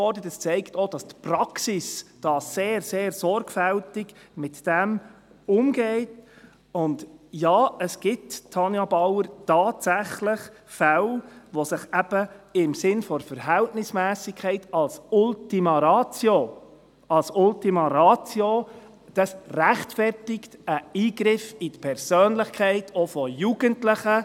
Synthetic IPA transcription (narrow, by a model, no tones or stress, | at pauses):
ɔrdətəst͡sɛɪktod̥ɑstpɾɑksɪsd̥ɑːseːɾseːɾsɔɾɡfɛltɪɡmɪtd̥ɛm | ʊmɡeɪt | ʊndjɑːəsɡ̥ɪttʰːɑnjɑbɑwəɾtɑːtsæχlɪχ | fɛlʋosɪχɛb̥əɪmsɪnfɔɾfəɾɦɛltnɪsmæːsɪkʰχɛɪtɑlsʊltimɑɾɑːt͡sjo | ɑlsʊltimɑɾɑːt͡sjo | d̥ɑsræχtfɛrtɪktəiːɡɾɪfitpʰɛɾsøːnlɪχkʰɛɪtʰɔfɔjuɡəntlɪχə